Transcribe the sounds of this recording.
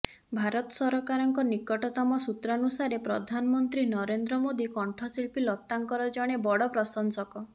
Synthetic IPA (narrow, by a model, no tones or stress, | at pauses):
bʱaɾɔt̪ɔsɔɾɔkaɾɔŋkɔnikɔʈɔt̪ɔmɔsut̪ɾɔnusaɾepɾɔd̪ʱanɔmɔnt̪ɾinɔɾend̪ɾɔmod̪ikɔɳʈʰɔsiɭpilɔt̪ːaŋkɔɾɔd͡ʒɔɽ̃ebɔɽɔpɾɔsɔnsɔkɔ